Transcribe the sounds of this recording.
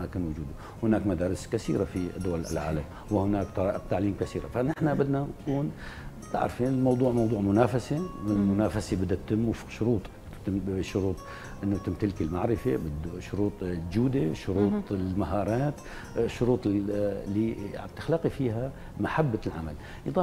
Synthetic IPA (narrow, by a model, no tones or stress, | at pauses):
aːkɪnwʊd͡ʒuːd̪ | hɪnaːkmad̪aːɾɪskasḭːɾafid̪ːʊwallʕa̰ːlam | wɪhɪnaːkt̪ɑɑːʔɪq̚t̪aʕliːmkasiːɾa̰fanɪħnabɪd̪nankuːn | t̪a̰ʕɾfiːnɪlmɑwd̪ˤuːʕmɑwd̪uːʕmʊnaːfasewɪlmʊnaːfasebɪd̪ːat̪ːɪmːufʃʊɾuːt̪ˤ | ɪʃːʊɾuːt̪ˤ | ʔɪnːʊt̪ɪmt̪ɪlkɪlmaʕɾɪfebɪd̪ʃʊɾuːt̪ˤd͡ʒuːd̪eʃʊɾuːˤɪlmaɦɑːɾˤɑːt̪ | ʃːʊɾuːt̪ˤlːiʕa̰t̪ɪ̥xlɑqifiːɦa | maħabːalʕama̰l | jd̪ˤɑː